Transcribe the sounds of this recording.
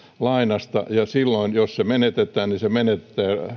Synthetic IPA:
lɑinɑst̪ɑ̰jɑsilːoinjossemenet̪et̪ːˑæːnnisemenet̪t̪ːˑæː

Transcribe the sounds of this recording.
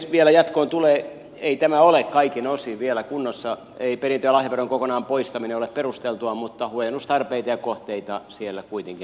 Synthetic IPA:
sʋielæjɑt̪koːnt̪uleː | eit̪æmæolekkɑikinosiʋielækunːosːɑ | eiperint̪øjælɑhjɑperoŋkokonɑːmpoist̪ɑmineolepperust̪elt̪uɑmut̪ːɑhuojenust̪ɑrpeit̪ɑjɑkoht̪eit̪ɑsielːækuit̪eŋki

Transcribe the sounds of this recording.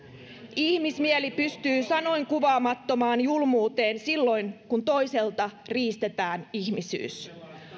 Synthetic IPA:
içmismielipyst̪yːsɑno̞jŋkuʋɑːmɑt̪ːo̞mɑːnjulmuːt̪e̞ːnsilːo̞jnkunt̪o̞jse̞lt̪ɑriːst̪e̞t̪æːniçmisy̰ːs

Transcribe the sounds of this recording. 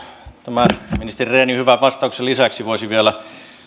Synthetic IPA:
t̪æmæminist̪erireːnihyʋæʋɑst̪ɑˑukselisæksiʋoˑisiʋielæ

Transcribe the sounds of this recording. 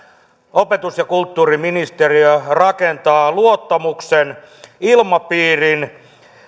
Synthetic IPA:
opet̪usjɑkult̪ːuːriminist̪eriørɑkent̪ɑːluot̪ːɑmuksen | ilmɑpiːrin

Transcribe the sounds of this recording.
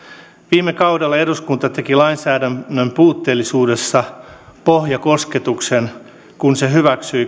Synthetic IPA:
ʋiːmːˑekɑwdɑlːɑeɾuskunt̪ɑt̪e̞kilɑinsæːdæmːømpuːt̪ːe̞ːlːisuːde̞sːɑpohjɑko̞ske̞t̪uksen | kunse̞ɦyʋæksyj

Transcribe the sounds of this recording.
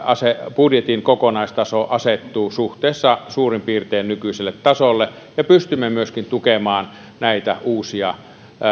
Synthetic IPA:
ɑsepudjet̪inkokonɑist̪ɑsoʔɑset̪ːuːsuht̪ˑeˑːsːɑsuːrimpiːrt̪eːnnykyiselːet̪tɑsolːe | jɑpyst̪ymːemyøskint̪ukemɑːn | næit̪æ̰ʔuːsiɑ

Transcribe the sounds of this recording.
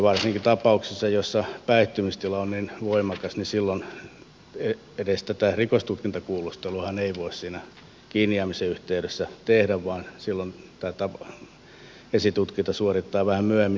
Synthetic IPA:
ʋɑrsiŋkit̪ɑpɑuksesːɑjosːɑpæiht̪ːymist̪ilɑonninʋoimɑkɑsnisilːon | e | edest̪æt̪ærikost̪ut̪kint̪ɑkuːlust̪eluhɑneiʋoissiːnæ | kiːniɑmiseyht̪eyɾøsːæt̪ehdæʋʋɑːnsilːont̪æːt̪ɑp | esit̪ut̪kint̪ɑsuorit̪ːɑːʋæhæmmyæmːi

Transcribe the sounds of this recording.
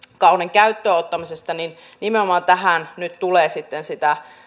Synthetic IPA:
kɑuneŋkæyt̪ːøːot̪ːɑmisest̪ɑnin | nimeomɑːnt̪æɦænnyt̪t̪uleːsit̪ːensit̪æ

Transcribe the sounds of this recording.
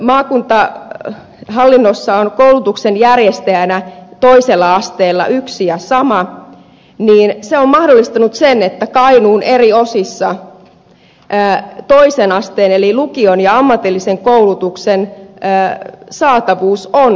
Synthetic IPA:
mɑːkunt̪ɑ | ɦɑlːinːosːɑonkoulut̪uksenjærjest̪ejænæt̪o̞iselːɑɑst̪eːlːɑ̰ʔyksijɑsɑmɑ | niːnseommɑhdolːˑist̪ɑnut̪senet̪ːækɑinuːnerio̞sisːɑ | ʔːt̪o̞isenɑst̪eːnelilukionjɑɑmːɑt̪ilːiseŋkoulut̪uksenəsɑːt̪ɑʋuːson

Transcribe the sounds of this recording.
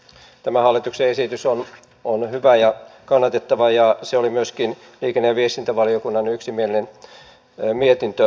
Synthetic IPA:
t̪æmæhɑlːˑit̪ukseesit̪yson | onhyʋæjɑkɑnːɑt̪et̪ːɑʋɑjɑseolimyøskin | liːkenːeʋiest̪int̪æʋɑliokunːɑnyksimielinen | miet̪int̪ø

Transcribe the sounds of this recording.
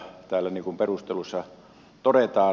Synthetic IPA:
t̪æːlːˑæniŋkumperust̪elusːɑ | t̪oɾet̪ɑː

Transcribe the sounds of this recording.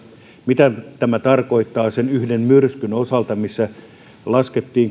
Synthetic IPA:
mit̪æt̪æmæt̪ɑrkoit̪ːɑːsenyhdemmyrskynosɑlt̪ɑmisːæ | lɑsket̪ːiːŋ

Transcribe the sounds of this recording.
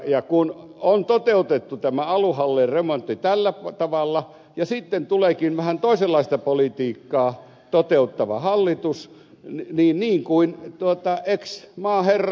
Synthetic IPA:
jɑkun | ont̪ot̪eut̪et̪ːut̪æmæɑluhɑlːeremont̪ːit̪ælːæpt̪ɑʋɑlːɑ | jɑsit̪ːent̪uleːˑkinʋæhænt̪oˑiselːɑist̪ɑpolit̪iːkːɑː | t̪ot̪eut̪ːɑʋɑ̰hɑlːit̪us | niːnniːŋkuint̪uot̪ɑʔeksmɑːherː

